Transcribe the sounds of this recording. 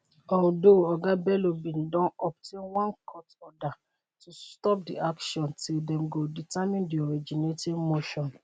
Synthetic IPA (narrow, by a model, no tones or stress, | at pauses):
ɔldoɔɡabɛlobĩndɔ̃nɔp̚tʰẽnwɔ̃nkʰɔtɔda | tustɔp̚diakʃɔ̃ntʰildɛ̃mɡoditamĩndiɔɹid͡ʒinetidmoʃɔ̃n